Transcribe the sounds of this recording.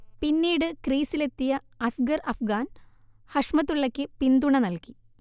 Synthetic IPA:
pinːiːɽɨkriːsile̞t̪ːijɐ | ɐsɡɐrɐfɡaːn | hɐʂmɐt̪ːuɭːɐkʲːɨpind̪uɳɐnɐlki

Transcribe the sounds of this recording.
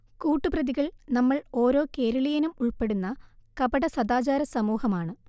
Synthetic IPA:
kuːʈːɨprɐðiɣɐɭnɐmːɐɭo̞ːɾo̞ːke̞ːɾɐɭijɐnumuɭpe̞ɽunːɐkɐbɐɽɐsɐd̪aːt͡ɕaːɾɐsɐmuːhɐmaːɳɨ

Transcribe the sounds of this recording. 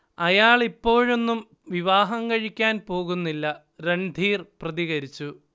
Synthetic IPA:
ɐjaːɭipːo̞ːɻo̞nːum | ʋiʋaːɦɐŋkɐɻikʲːaːnpo̞ːɣunːilːɐ | ɾend̪ʱiːrprɐðiɣɐɾit͡ɕːu

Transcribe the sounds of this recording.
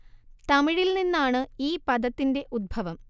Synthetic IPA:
t̪ɐmiɻilninːaːɳɨiːpɐd̪ɐt̪ːinde̞ʔud̪̚bʱɐʋɐm

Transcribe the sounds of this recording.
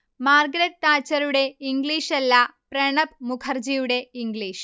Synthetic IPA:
maːrɡɐɾɐt̪ːaːt͡ɕːɐɾuɽe̞iŋɡliːʂɐlːɐpreɳɐb̚mukʰɐrd͡ʑijuɽe̞iŋɡɭiːʂ

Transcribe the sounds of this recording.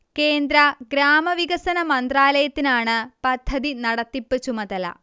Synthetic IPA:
ke̞ːnd̪ɾɐɡɾaːmɐʋiɣɐsɐnɐmɐnd̪raːlɐjɐt̪ːinaːɳɨpɐd̪ʱːɐðinɐɽɐt̪ːipːɨt͡ɕumɐðɐlɐ̰

